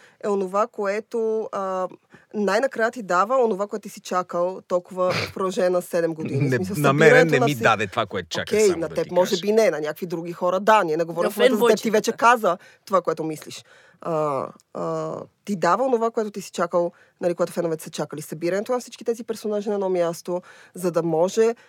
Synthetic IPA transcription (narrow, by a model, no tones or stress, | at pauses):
ɛonovakoɛt̪oə | najnɐkɾajət̪id̪avəonovakoɛt̪ʊt̪isit͡ʃakəlˠt̪ɔlˠkʊvəpɾoʒɛnɐsɛd̪ɛmɡod̪inimisɐlˠɐiɾɐnɛt̪nɐmid̪ad̪ɛt̪ovakoɛt̪o̥t͡ʃoa̰kʲɛjnɐtt̪ɛpmɔʒɛbinɛnɐnʲjakvid̪ɾuɡ̟ixɔɾəd̪aniɛnɛɡovɔɾifvɛt̪əzt̪ɛt̪ivɛt͡ʃɛkazə | t̪ovakoɛt̪omisliʃ | ə | t̪id̪avəonovakoɛt̪ʊt̪isi̥t͡ʃakəlˠ | nɐlikoɡat̪ʊ̥fɛnovɛt̪ɛ̥sɐt͡ʃakəlisɐbiɾɐnɛt̪onɐfsit͡ʃki̥t̪ɛzipɛɾsonaʒinɐɛd̪ɔmjast̪ozɐd̪ɐmɔʒɛ